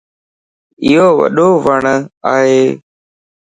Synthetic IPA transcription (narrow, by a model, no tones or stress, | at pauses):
ɪɦoːʋə̰ɗoːʋəɳəaːɦeː